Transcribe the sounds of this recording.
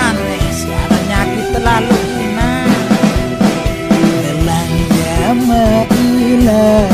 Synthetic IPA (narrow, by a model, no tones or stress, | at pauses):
anesə̥kaɾaɲakit̪ːəlaluk | na | iəlaŋd͡ʒamaʔila